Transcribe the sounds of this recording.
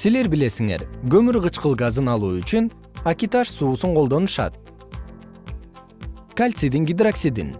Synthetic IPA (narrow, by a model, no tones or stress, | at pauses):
sile̞ɾbɪle̞siŋe̞̰ɾɡɵ̞myɾʁɯt͡ʃqɯlˠɡazɯnɑlˠuːyt͡ʃyn | akʲit̪aʃsuːsuɴqʰo̞lˠd̪o̞nuʃɑ̰t̪̚ | kalʲt̪sid̪iŋɡʲid̪raksid̪ḭn